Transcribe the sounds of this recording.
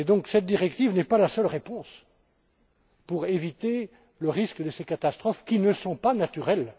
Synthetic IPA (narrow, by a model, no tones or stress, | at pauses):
ed̪ɔ̃ksɛt̪̚d̪iʁɛkt̪ivnɛpalasœlʁepɔ̃s | puʁevit̪e | ləʁiskd̪əsekat̪ast̪χɔfkʲinəsɔ̃panat̪yʁɛl